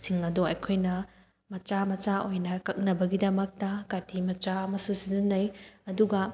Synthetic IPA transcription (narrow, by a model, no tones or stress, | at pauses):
siŋɐduɐ̰jkʰojnɐ | mɐt͡ʃamɐt͡ʃaojnɐkɐk̚nɐbɐɡidɐmɐk̚tɐkatʰimɐt͡ʃaɐmɐsusizinːɐjɐduɡɐ